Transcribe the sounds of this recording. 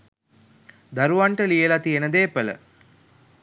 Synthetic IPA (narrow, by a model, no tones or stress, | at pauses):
d̪aɾuʋaɳʈəlijəlat̪ijənəd̪eːpələ̰